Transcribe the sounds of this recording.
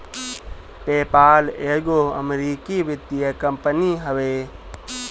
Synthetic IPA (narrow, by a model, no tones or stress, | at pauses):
peːpaːleːɡoːə̰mɾiːkiʋɪd̪ijəkəmpəniɦəʋeː